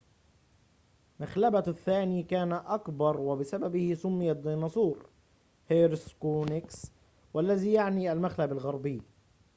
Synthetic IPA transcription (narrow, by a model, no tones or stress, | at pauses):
maxlabaθːaːniːkaːnaʔakbɑɾˤwɪbɪsababɪhɪsʊmːɪjad̪iːnɑsˤuːɾ | heɾɪskunɪks | wʔalːaðiːjaʕniːʔalmaxlabalɣɑɾˤbɪjː